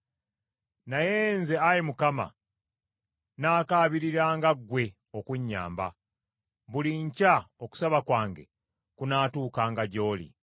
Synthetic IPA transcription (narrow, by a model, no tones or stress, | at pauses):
najenze̞ajimukama̰ | naːkaːβiɾiɾaːŋɡaɡwe̞ | okwuɲːa̰ːmba̰ | βuliɲcaoku̥saβakwaːŋɡe̞̰ | kunaːtuːkaːŋɡaɟo̞ːlḭ